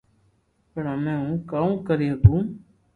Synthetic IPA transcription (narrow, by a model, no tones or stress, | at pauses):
pəɳamẽːũːkaːũːkəɾeːɦət̪ũː